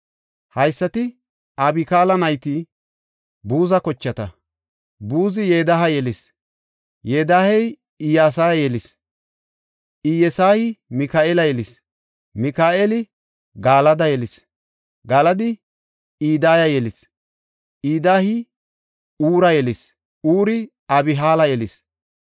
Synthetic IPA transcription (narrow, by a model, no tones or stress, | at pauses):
hɐjsːɐt̪ɪ | ʔɐbɪkaːlɐnɐjt̪i | buːzɐkɔt͡ʃːɐt̪ɐ | buːzɪjeːd̪ɐɦɐjɛlɪs | jeːd̪aːhɛj | ɪjaːs̬aːjɐjɛlɪs | ʔɪjɛsaːhɪmɪkaːɛlɐjɛlɪs | mɪkaːʔɛlɪ | ɡaːlɐd̪ɐjɛlɪs | ɡaːlɐd̪ɪ | iːd̪aːjɐjɛlɪs | ʔiːd̪aːhɪ | uːɾɐjɛlɪs | uːɾɪ | ɐbɪɦaːlɐjɛlɪs